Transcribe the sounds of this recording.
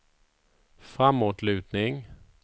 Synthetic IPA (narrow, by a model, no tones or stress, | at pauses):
fɾamːoːt̪lʉ̟ːt̪nɪŋ